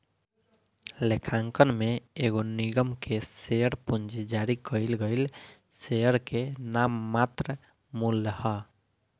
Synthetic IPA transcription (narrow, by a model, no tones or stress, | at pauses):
lekʰãŋkənmeeɡoniɡəmkʰeseəɾpund͡ʒid͡ʒaɾikəɪlɡəɪl | sejəɾkenamːat̪ɾə | mulːəhə